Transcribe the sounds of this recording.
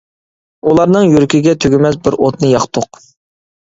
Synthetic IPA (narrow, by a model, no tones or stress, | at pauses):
ulˠɑɾnɨŋjyɾkʲiɡʲɛt̪ʰøɡʲɪmɛsbɪɾot̪̚nɨjɑχt̪ʰʊq